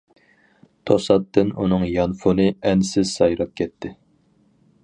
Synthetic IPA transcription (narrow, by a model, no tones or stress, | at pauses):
t̪ʰosɑt̪ːɨnunɨŋjɑnfunɨɛnsɪz̥sɑjɾɑp̚kʲʰɛt̪ʰːɪ